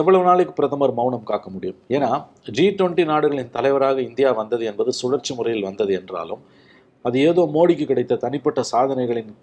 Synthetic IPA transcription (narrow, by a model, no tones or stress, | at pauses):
ɛʋːɐɭɐʋɯnaːɭɯkːɯ̥pɪɾɐðɐmɐɾmɐʊɳɐmkaːkːɐmʊɽɪjɯmeːnaː | d͡ʒiːʈʋɔɳʈːinaːɽɯɣɐɭɪnt̪ɐlɐɪʋɐɾaːɣɐɪnd̪ɪjaːʋɐnd̪ɐðɯɛnbɐðɯsʊɽɐɾt͡ʃːɯmʊrɐjɪlʋɐnd̪ɐðɯɛndra̰ːlɯ̰m | ɐðɯeːðoːmoːɽɪk̬ːɯkːɪɽɐɪt̪ːɐt̪ɐnɪpːɐʈːɐsaːðɐnɐɪɣɐɭɪn